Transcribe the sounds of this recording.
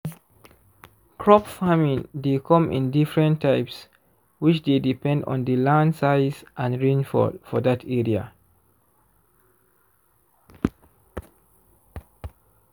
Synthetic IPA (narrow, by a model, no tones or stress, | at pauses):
kʰɹɔpfamĩndekʰɔ̃mʔɪ̰̃ndifɹɛ̃ntʰːaɪps | wit͡ʃd̪edipɛ̃ndɔ̰̃ndəlãndsaɪzʔãnɹĩnfɔ̰dfɔðatʰɛɹia̰